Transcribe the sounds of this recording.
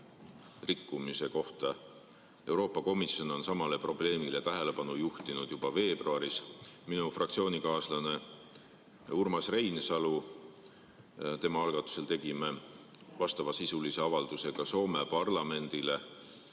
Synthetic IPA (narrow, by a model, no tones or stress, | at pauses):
rikːumise̞ko̞ht̪ɑ | e̞wɾo̞ːpːˑɑko̞misjo̞no̞nsɑmɑle̞pro̞ble̞ːmile̞t̪æɦe̞le̞pɑnujuht̪inud̪̥jub̥ɑve̞ːb̥ruɑɾisminufrɑk̪̚sio̞ːnikɑːslɑne̞ | urmɑsre̞jnsɑlu | t̪e̞mɑɑlɡ̥ɑt̪ːˑu̥se̞lt̪e̞ɡ̥ime̞vɑst̪ɑvɑsisulise̞ɑvɑld̪̥use̞ɡ̥ɑso̞ːme̞pɑrlɑme̞nd̪̥ile̞